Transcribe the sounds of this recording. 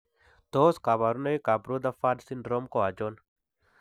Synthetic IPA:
t̪oːskaβaɾunɐikabɾud̪afaːɖsinɖɾoːmkoad͡ʒon

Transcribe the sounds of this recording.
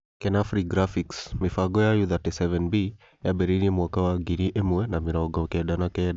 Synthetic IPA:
kɛnafɾiɡɾafiksmifaɡɔjajuðatɛsɛvɛnbi | jabɛɾiniɛmwakawaɡiniʔɛmuɛnamiɾɔɡɔkɛɗanakɛ

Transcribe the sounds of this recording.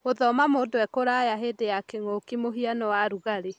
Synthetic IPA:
oðɔmamoːdoɛkoɾajaɦedejakeŋokimoɦianɔwaɾuɣaɾe

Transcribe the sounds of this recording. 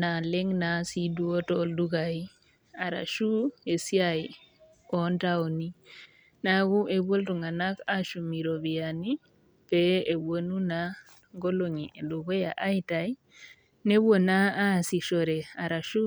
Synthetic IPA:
naleŋnasiduotolduɡaji | aɾa̰ʃuesiaj | ɔntaoni | naɡuʔeboltuŋanakaʃumiɾoβiani | peewonuna | ŋɡoloɲieduɡoja̰ʔaitaj | newonaasiʃoɾeaɾaʃu

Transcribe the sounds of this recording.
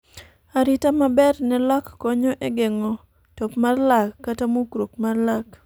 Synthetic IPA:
aɾɪtamabɛrnɛlɔkːɔɲɔʔeɡeŋɔ | topmarlakːatamokɾokmarlak

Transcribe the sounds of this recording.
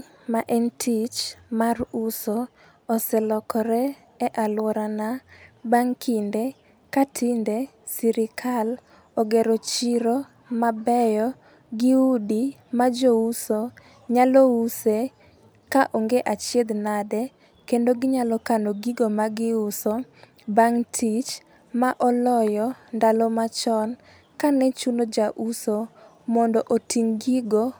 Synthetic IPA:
maʔɛntʰit͡ʃmarʊsoː | sɛlɔkɔɾɛ | ɛʔalwɔɾanabaŋkʰinde | katʰɪnde | siɾɪkʰal | ɔɡeɾot͡ʃiɾo | mabɛjɔ | ɡɪudi | mad͡ʒouso | ɲalouse | kaʔoŋɡeʔat͡ʃjed̪nadɛ | kendoɡɪɲalɔkanoɡiɡomaɡɪʊso | baŋtʰit͡ʃ | maʔɔlɔjɔndalɔmat͡ʃɔn | kanɛt͡ʃunod͡ʒaʔuso | mɔndɔʔotiŋɡiɡo

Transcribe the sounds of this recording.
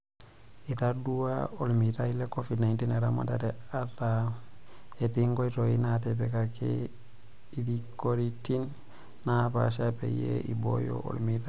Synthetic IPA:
itaduwa̰olmitailekofidnaintineɾama̰dateata | etiŋɡoitoinatebekakḛ | idikoɾitin | napa̰ʃ̬apḛjḛʔḭbo̰jo̰ʔo̰lmita

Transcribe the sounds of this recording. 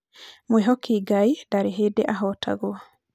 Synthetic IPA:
mweɦɔkʰiɡaidaɾeɦedeʔaɦɔta̰ɣoa

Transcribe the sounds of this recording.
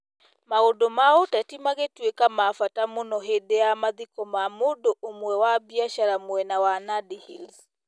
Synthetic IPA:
maɣodomaotatimaɣetwekamafatamonɔɦedɛamaðikɔmamodoʔomwɛwabiaʃaɾamwɛnawanadihil

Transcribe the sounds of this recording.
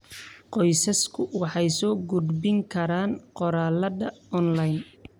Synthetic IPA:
qɔjsɐskʰʊwɑħɑjsɔːɡʊd̪bɪŋkʰɐɾaːnqɔɾaːlɐðɐɔnlɐjn

